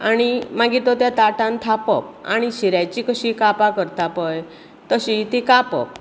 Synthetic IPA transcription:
aɽ̃imaɡit̪ot̪jat̪aʈãnt̪ʰapə̰p̚a̰ɽ̃iɕiɾajt͡ɕikəɕikapakəɾt̪apəj | t̪əɕit̪ikapə̰p̚

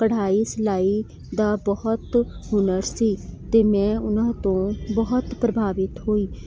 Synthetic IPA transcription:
kəɽ̤aːiːsəlaːiː | d̪aːbəɦʊt̪ɦʊnəɾsiːt̪eːmɛ̃ːʊnãːt̪õːbəɦʊt̪pɾəbʱaːʋɪt̪ɦoːiː

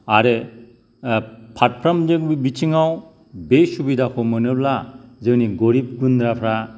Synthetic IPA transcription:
aɾe | pʰat̚pʰɾamzɯŋbibit͡ʃʰiŋaw | besubidakʰɔmɯnɯblazɯniɡɔɾip̚ɡundɾapʰɾa

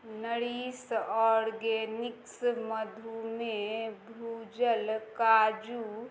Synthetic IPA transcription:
nəɽiːsɔːɾɡenɪksməd̪ʱumebʱuːd͡ʒəlkaːd͡ʒu

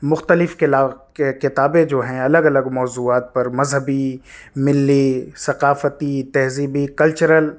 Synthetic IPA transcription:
mʊxt̪əlɪfkɪlakekɪt̪aːbẽd͡ʒoːɦɛ̃ɐləɡɐləɡmɔːzuːaːt̪̚pɐɾmɐzɦəbimɪlːisɐqaːfət̪it̪ɛɦziːbikɐlt͡ʃəɾəl

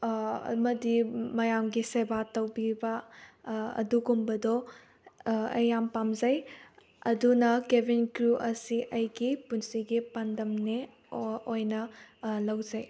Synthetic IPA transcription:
mɐdimɐjamɡisebatɐwbibɐ | ɐ̰duɡumbɐdɔ | ɐ̰jampamzɐj | ɐdunɐkebinkɾuʔɐsiʔɐjɡipunsiɡipandɐmne | ojnɐlɐwzɐj

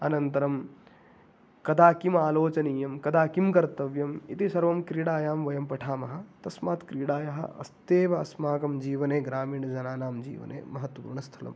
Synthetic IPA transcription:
ɐnɐnt̪ɐɾɐm | kɐd̪aːkimaːloːt͡ʃɐnijɐmkɐd̪aːkimkɐɾt̪ɐʋjɐmit̪isɐɾʋɐmkɾiːɽaːjaːmʋɐjɐmpɐʈʰaːmɐɦɐ̆t̪ɐsmaːt̪kɾiːɽaːjɐɦɐ̰ʔɐ̰st̪eːʋɐɐsmaːkɐmd͡ʒiːʋɐneːɡɾaːmiːɳɐd͡ʒɐnaːnaːmd͡ʒḭːʋɐ̰nḛːmɐɦɐt̪wɐpṵɾɳɐst̪ʰɐlɐ̰m

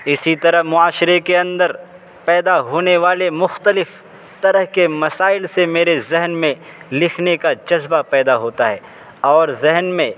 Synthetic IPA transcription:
ɪsit̪ɐɾəɦmʊaːʃɪɾekeɐ̃nd̪əɾ | pɛːd̪aɦoːneʋaːlemʊxt̪əlɪf | t̪ɐɾəɦkemɐsaːɪlsemeːɾezɪɦnmẽlɪkʰnekad͡ʒɐzbapɛːd̪aɦoːt̪aɦɛː | ɔːɾzɪɦnmẽ

